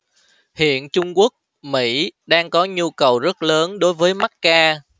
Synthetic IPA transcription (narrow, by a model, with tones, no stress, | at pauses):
hḭ˧˨ənt͡ɕʊ˧ŋ͡mku˦˥ək̚ | mḭ˧˥ɗaː˧ŋkɔ˨˦ɲu˧kə˨˩wzə˦˥t̚ləː˨˦nɗo˨˦jvəː˨˦jma˦˥t̚kaː˧